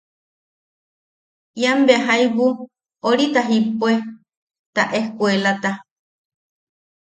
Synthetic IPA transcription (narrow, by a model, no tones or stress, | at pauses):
jambeaɦajbu | oɾit̪aɦipoe | t̪a̰ʔehkuelat̪a